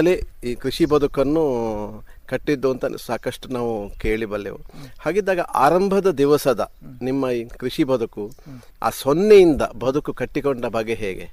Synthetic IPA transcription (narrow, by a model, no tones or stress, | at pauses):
ɐleiːkɾiʂibɐd̪ukɐnːu | kɐʈːid̪ːuɐnt̪ɐsaːkɐʂʈunaːʋukeːɭibɐlːḛʋṵhaːɡid̪ːaːɡɐʔa̰ːɾɐmbʱɐd̪ɐd̪iʋɐsɐd̪ɐ | nimːɐikɾiʂibʱɐd̪uku | a̰ːsonːejind̪ɐbɐd̪ukukɐʈːikoɳɖɐbɐɡːeɦɛ̰ːɡḛ